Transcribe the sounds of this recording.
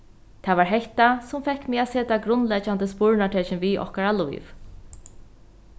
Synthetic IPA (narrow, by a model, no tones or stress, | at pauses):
t̪ʰaːvaɹɦɛht̪asʊmfɛhkːmɪaseːt̪aɡɾʊnlɛt͡ʃant̪əspʊɹnaʈʰɛːt͡ʃɪnviʔɔ̰hkaɹalʊ̰jv